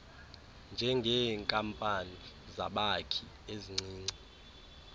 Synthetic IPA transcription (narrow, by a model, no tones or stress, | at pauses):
nd͡ʒʱɛŋɡʱɛŋkʼampʼani | za̰ɓakʰi | eziŋ͡ǀiːŋ͡ǀi